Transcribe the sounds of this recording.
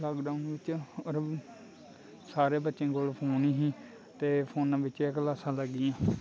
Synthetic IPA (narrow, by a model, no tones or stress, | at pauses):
laːkɖaʊnʋɪt͡ʃəɾ | saːɾeːbət̪ːʃẽːkoːlpʰoːniːɦĩː | t̪eːpʰoːnãːʋɪt͡ʃekəlaːsãːləɡːɪːãː